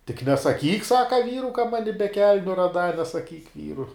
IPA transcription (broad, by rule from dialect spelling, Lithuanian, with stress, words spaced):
tʲɪk nʲɛsɐˈkʲiːk ˈsɑːkɐ ˈʋʲiːrʊ kɐ ˈmɑːnʲɪ bʲɛ ˈkʲɛlʲnʲʊ rɐˈdɑː nʲɛsɐˈkʲiːk ˈʋʲiːrʊ